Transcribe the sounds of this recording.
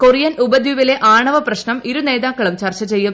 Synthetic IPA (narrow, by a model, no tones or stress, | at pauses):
korijɐnubɐd̪ʱjuʋile̞ʔaːɳɐʋɐprɐɕnɐmiɾune̞ːd̪aːkːɐɭumt͡ɕɐrt͡ɕɐt͡ɕe̞jːum